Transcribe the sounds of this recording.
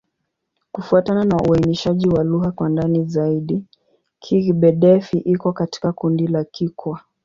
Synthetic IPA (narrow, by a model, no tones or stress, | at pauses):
kufuatananaʔuainiʃaʄiwaluɦakwandanizaiɗi | kʰiɣiɓɛɗɛfiʔikɔkati̥kakundilakikʰwa